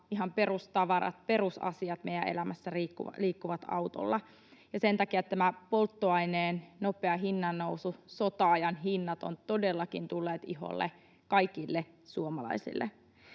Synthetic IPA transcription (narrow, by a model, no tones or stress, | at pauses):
iɦɑmperust̪ɑʋɑɾɑ̰t̪̚perusɑ̰siɑt̪meijæ̰ʔelæmæsːæriːkːṵliːkːuʋɑt̪ɑ̰wt̪o̰lːɑ | jɑsent̪ɑkiæt̪t̪ːæmæpolt̪ːoɑineːnnopeɑɦinːɑnːoususot̪ɑɑjɑnhinːɑt̪o̰nt̪odelːɑkḭnt̪ulːeːt̪iho̰lːḛ | kɑikilːe | suomɑlɑ̰isḭlːʔḛ